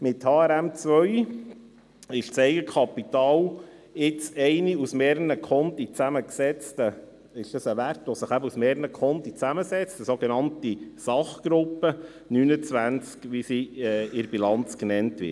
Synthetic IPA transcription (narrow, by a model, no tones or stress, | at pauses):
mɪthɑːɛɾæmt͡sʋœʏ | ɪʃsɛɪɡəkʰχɑpitɑːlɪt͡sɛɪniusmeːɾnəkʰχɔnt̪it͡sæməksɛt͡stə | ɪʃd̥ɑsəʋærtʋɔsəχæbəusmɛːɾnəkʰɔnt̪it͡sæməsɛt͡stəsoɡenɑntisɑχɡ̥ɾʊpːə | nynət͡sʋænt͡skʋisiɛɪɾbilɑnt͡sknɛntʋɪ̰